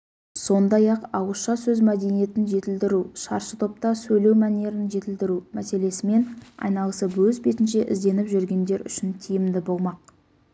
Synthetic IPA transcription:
so̞nd̪ɑjɑqɑwəʃɑsɵzmæd̪e̞nije̞t̪ɪnʒe̞t̪ɪld̪ɪɾuʃɑɾʃət̪ʰo̞p̚t̪ɑsɵjle̞wmæne̞ɾɪnʒe̞t̪ɪld̪ɪɾumæse̞le̞sɪme̞nɑ̰jnɑlˠəsəwɵzbe̞t̪ɪnʃe̞ʔɪzd̪e̞nɪpʒʏɾɡʲe̞nd̪e̞ɾʏ̰ʃɪnt̪ʰijɪmd̪ɪbo̞lˠmɑq̚

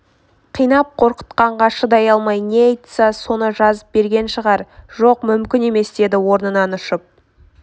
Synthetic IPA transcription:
qʰijnɑp̚qʰo̞ɾqə̥t̪qɑɴʁɑʃəd̪ɑjɑlˠmɑjne̞ɑjt̪sɑso̞nəʒɑzəp̚be̞ɾɡʲe̞nʃəʁɑɾʒo̞qmʏmkʲɪne̞me̞sd̪e̞d̪ɪwo̞ɾnənɑnʊʃəp̚

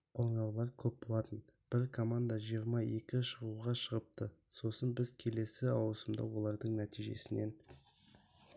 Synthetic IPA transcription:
qʰolɴɑwlˠɑɾkʲʰɵp̚bo̞lˠɑt̪ənb̥ɪɾkʰo̞mand̪aʒijəɾmɑje̞kʲɪʃəʁuʁɑʃəʁəp̚t̪ʰə | so̞sənbɪzkʲʰe̞le̞sɪɑwəsəmd̪ɑ̰wo̞lˠɑɾd̪əɴnæt̪ijʒe̞̰sɪne̞n

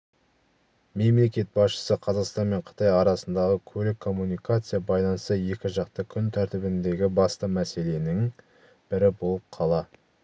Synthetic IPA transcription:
me̞mle̞kʲe̞t̪̚bɑsʃə̥səqʰɑzɑqst̪ɑnme̞ɴqʰə̥t̪ɑjɑɾɑsənd̪ɑʁəkʲʰɵlɪkʰːo̞mːunijkat̪sɨjɑbɑjlˠɑnəst̪əje̞kʲɪʒɑqt̪əkʲʰʏnt̪ʰæɾt̪ɪbɪnd̪e̞ɡʲɪbɑst̪əmæse̞le̞nɪŋ | b̥ɪɾɪbo̞lˠəp̚qʰɑlˠɑ

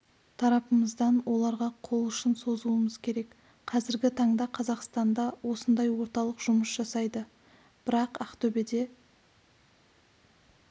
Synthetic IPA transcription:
t̪ʰɑɾɑpəməzd̪ɑnwo̞lˠɑɾʁɑqʰo̞lˠʏʃɪnso̞zəluəməz̥kʲʰe̞ɾe̞k | qʰɑzɪɾɡʲɪt̪ʰɑɴd̪ɑqʰɑzɑqst̪ɑnd̪ɑwo̞sənd̪ɑjwo̞ɾt̪ɑlˠəqʒ̥ʊməsʒ̥ɑsɑjd̪ə | b̥ɪɾɑqɑqt̪ʰɵbe̞d̪e̞

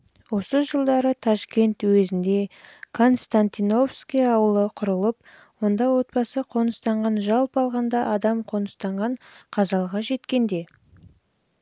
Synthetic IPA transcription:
wo̞səʒəlˠd̪ɑɾət̪ʰaʃkʲe̞nt̪wezɪnd̪e̞kʰo̞nst̪ant̪ino̞fskʲijɑwəlˠəqʰʊɾəlˠəp̚ | wo̞nd̪ɑwo̞t̪̚bɑsəqʰo̞nəst̪ɑɴʁɑnʒɑlˠpɑlˠʁɑnd̪ɑʔɑd̪ɑmqʰo̞nəst̪ɑɴʁɑɴqʰɑzɑlˠʁɑʒe̞t̪kʲe̞nd̪e̞

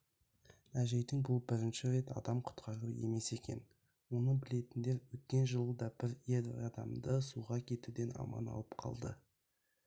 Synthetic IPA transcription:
æʒe̞jd̪ɪŋbʊlˠbɪɾɪnʃɪɾe̞t̪ɑ̰d̪ɑmqʰʊ̥t̪qʰɑɾəje̞̰me̞se̞kʲe̞̰n | wo̞nəɴbɪle̞t̪ɪnd̪e̞ɾwɵt̪̚kʲe̞nʒəlˠəd̪ɑb̥ɪɾjelɑd̪ɑ̰md̪əsuʁɑkʲʰe̞t̪ud̪e̞nɑ̰mɑ̰nɑ̰lˠəpqʰɑ̰lˠd̪ə̰

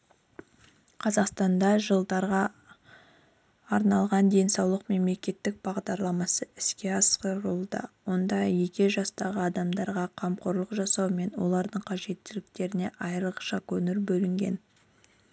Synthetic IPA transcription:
qʰɑzɑqst̪ɑnd̪ɑʒəlˠd̪ɑɾʁɑ | ɾnɑlˠʁɑnd̪e̞nsɑwlˠəqme̞mle̞kʲe̞t̪ːɪk̚b̥ɑʁd̪ɑɾlˠɑmɑsəɪskʲe̞ɑsqəɾəlˠd̪ə̰wo̞nd̪ɑje̞kʲe̞ʒɑst̪ɑʁəɑd̪ɑmd̪ɑɾʁɑqʰɑmqoɾlˠəqʒɑsɑwme̞nwo̞̰lˠɑɾd̪əɴqʰɑʒe̞t̪ːɪlɪk̚t̪e̞ɾɪne̞ʔɑjɾqʃɑkɵnɪɾbɵlɪŋɡʲe̞̰n

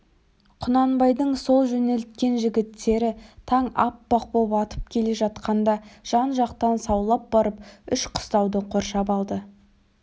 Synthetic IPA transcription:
qʰʊnɑnbɑjd̪əɴso̞lˠʒɵne̞lt̪̚kʲe̞nʒɪɡʲɪt̪ːe̞ɾɪt̪ʰɑɴɑ̰pːɑq̚bopɑt̪ə̥p̚kʲʰe̞le̞ʒɑt̪qɑnd̪ɑʒ̥ɑnʒɑqt̪ɑnsɑwlˠɑp̚bɑɾəp̚ʏʃqʰʊ̥st̪ɑwd̪əqʰo̞ɾʃɑpɑlˠd̪ə

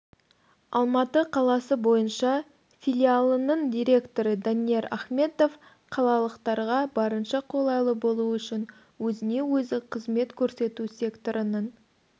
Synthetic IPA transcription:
ɑlˠmɑt̪əqʰɑlˠɑsəbo̞jənʃɑ | fʲilʲialˠənəɴd̪ʲijɾʲe̞kt̪o̞ɾəd̪anije̞ɾa̰χme̞t̪o̞f | qʰɑlˠɑlˠəqt̪ɑɾʁɑbɑɾənʃɑqʰo̞lˠɑjlˠəbo̞lˠuʏʃɪn | wɵzɪne̞wɵzɪqʰəzme̞t̪kʲʰɵɾse̞t̪use̞kt̪o̞ɾənəɴ

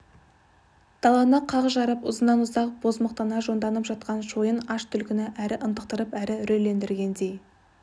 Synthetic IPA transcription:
d̪̥ɑlˠɑnəqʰɑʁəʒɑɾəpʊzənːɑnʊzɑq̚b̥o̞zməq̚t̪ɑnɑʒo̞nd̪ɑnəpʒɑt̪̚qɑnʃojənɑʃt̪ʰʏlkʲɪnɪʔæɾɪʔənt̪əq̚t̪əɾəpæɾɪʏɾelːe̞nd̪ɪɾɡʲe̞nd̪e̞j

